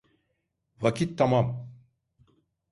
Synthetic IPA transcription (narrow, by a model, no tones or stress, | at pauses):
vakit̪ːamam